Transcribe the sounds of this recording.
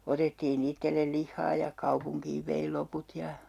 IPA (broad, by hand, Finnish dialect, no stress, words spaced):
otetːiːn itːelːel lihːɑː jɑ kuɑpuŋkiːʋ ʋei loput jɑ